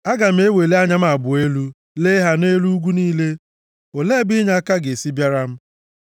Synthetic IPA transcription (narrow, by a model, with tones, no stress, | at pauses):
a˦ɡa˨m̩˦e˦we˨le˦a˦ɲa˦m̩˦a˨bʊ˨e˦lu˦ | le˦ɦa˦ne˦lu˦ɡʷu˦niː˦le˦ | o˨le˦bi˦ɲa˦ka˦ɡe˨si˦bja˦ɾa˦m̩˦